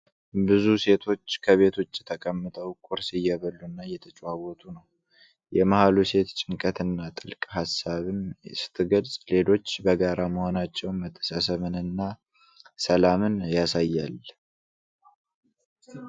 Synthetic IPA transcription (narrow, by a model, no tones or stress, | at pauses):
bɨzuse̞t̪ʰo̞t͡ʃːkʰəβe̞t̪ʰo̞t͡ʃːjɛt̪ʰəkʼəmːɨt̪ʰəwkʼʊɾsɨjːɛβəlːunːajɛt̪ʰət͡ʃʼwawɔt̪ʰunəw | jɛmahaluse̞t̪t͡ʃʼɪŋkʼət̪ɨnːat̪ʼɨlkʼhasaβɨnsɨ̥t̪ʰʼɨɡəlsʼle̞lo̞t͡ʃːbəɡaɾaməho̞nat͡ʃːɛwnmət̪ʰːə̥sasəβɨnɨnːa | səlamɨnjasajːal